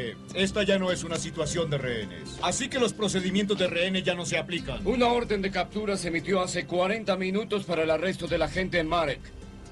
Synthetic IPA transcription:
eke̞st̪aʝano̞e̞sunasit̪wasjo̞nd̪e̞reene̞̰sasike̞lo̞spɾose̞ð̞imjent̪o̞zðereenezʝano̞s̬e̞aplikanunao̞ɾðend̪e̞kap̚t̪uɾaseemit̪jo̞ase̞kwaɾe̞nt̪amĩnut̪o̞spaɾaelare̞s̬t̪o̞ðe̞laxe̞nt̪e̞ːnmaɾek

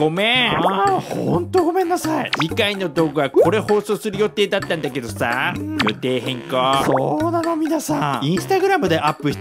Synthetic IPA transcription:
ɡo̞me | hõ̰nt̪o̞ɡo̞mẽ̞nːasaid͡ʑikaino̞t̪o̞ːɡɯ̟βakʰo̞ɾe̞ho̞ːso̞ːsɨɾɯ̟jo̞t̪e̞ːd̪at̪ːãnd̪ake̞d̪o̞sa̰jot̪e̞ːɦẽ̞ŋkasoːd̪anomʲinasãĩɰ̃sɨ̥t̪aɡɯ̟ɾamɯ̟d̪e̞ʔapːɯ̟̥

